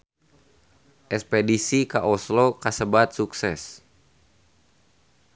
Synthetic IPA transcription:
ʔɛkspɛdisikaʔɔslokasəbat̪̚suksɛs

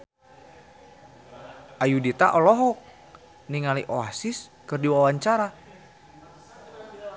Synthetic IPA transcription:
ʔajudit̪aʔɔlɔɦɔk̚ | niŋaliʔoasiskɨrdiwawaɲt͡ʃaɾa

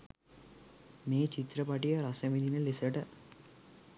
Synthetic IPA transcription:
meːt͡ʃit̪ɾɐpɐʈijɐɾɐsɐmid̪ʱinɐlisɐʈɐ

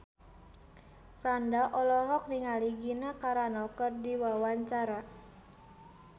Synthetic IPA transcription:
fɾandaʔɔlɔɦɔk̚niŋaliɡinakaɾanɔkərdiwawaɲt͡ʃaɾa

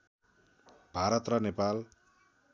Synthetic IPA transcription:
b̥ʱaɾʌt̪rʌnepal

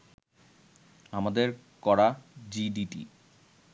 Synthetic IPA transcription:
amad̪eɾ | kɔɾad͡ʑiɖiʈḭ

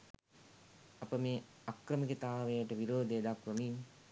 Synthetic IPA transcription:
apəmeːakɾəmikət̪aːʋejəʈəʋiɾoːd̪ejəd̪akɾəmin

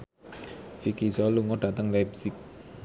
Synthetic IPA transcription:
fikizɔluŋɔɖ̥ä̤t̪əŋlapsɪk̚

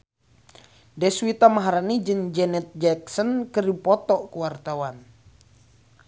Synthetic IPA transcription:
dɛswit̪amaɦaɾanid͡ʒɨŋd͡ʒɛnɛt̪̚d͡ʒɛk̚sənkɨripɔt̪ɔʔkuwart̪awan

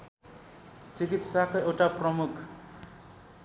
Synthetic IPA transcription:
t͡sikit̪sakoewʈaprʌmukʰ

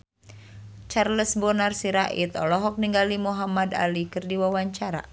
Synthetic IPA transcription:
t͡ʃarləsbɔnarsiɾaʔit̪ɔlɔɦɔk̚niŋɡalimuɦamada̰likɨrdiwawaɲt͡ʃaɾa̰

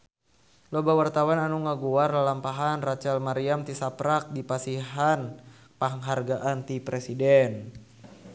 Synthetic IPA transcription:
lɔbawart̪awananuŋaɡuarlalampaɦanrat͡ʃalmaɾiamt̪isapɾak̚dipasiɦan | paɦŋɦarɡaʔant̪ipɾɛsidɛn

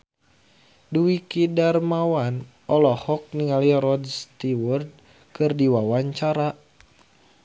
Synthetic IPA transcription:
duikidarmawan | ɔlɔhɔk̚niŋaliɾɔd͡ʒst̪iwɔrd̚ | kɨrdiwawaɲt͡ʃaɾa

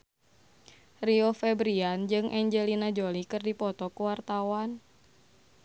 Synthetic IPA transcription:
riɔfɛbɾiand͡ʒɨŋʔɛɲd͡ʒɛlinad͡ʒolikɨrdipɔt̪ɔkuwart̪awan

